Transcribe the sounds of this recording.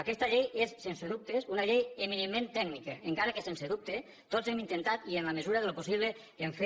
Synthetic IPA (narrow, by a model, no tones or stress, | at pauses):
akɛst̪əʎejesːenseðup̚t̪esunaʎejeminemːẽnt̪ɛɡnikəeŋkaɾəkesenseðup̚t̪e | t̪ozɛmint̪ent̪at̪ienləməzuɾəðəloposiβ̞le | keɱfe